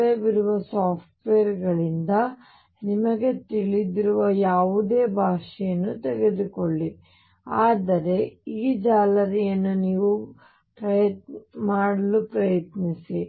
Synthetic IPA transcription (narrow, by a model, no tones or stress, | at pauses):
ebiɾuʋɐsaːpʰʈʋeːɐɾɡɐɭind̪ɐ | nimɐɡe̞t̪iɭid̪iɾuʋɐjaːʋud̪eːbʱaːʂɛjɐnːut̪ɛɡed̪ukoɭːi | aːd̪ɐɾe̞iːd͡ʒaːlɐɾijɐnːuniːʋu | pɾɐjɐt̪maːɽɐlupɾɐjɐt̪nisi